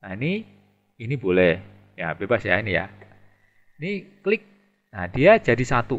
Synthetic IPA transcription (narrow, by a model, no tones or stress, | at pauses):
naini | inibolɛh | ja̰b̥ebasja̰inija̰ | iniklɪk̚ | nahd̥iad͡ʒadisat̪u